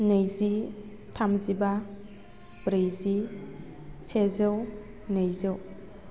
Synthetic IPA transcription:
nejzi | tʰamziba | bɾejzi | sʰezew | nejzɯw

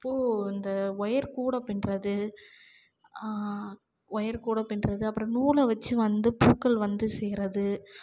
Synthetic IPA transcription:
ɪpːoːɪnd̪ɐɔjɐɾkuːɽɐpːɪnrɐðɯ | ɔjɐɾkuːɽɐpːɪnrɐðɯɐpːɯɾɐ̃nuːlɐʋɐt͡ʃːɯʋɐnd̪ɯpuːkːɐɭʋɐnd̪ɯsɛjɪɾɐðɯ

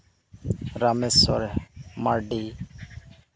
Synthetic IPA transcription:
ɾaːmesɔ̰ɾmaːɾɖiː

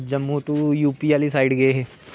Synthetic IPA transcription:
d͡ʒɐmːut̪ujuːpiaːlisaːɪɖɡɐeɦɛ̃ː

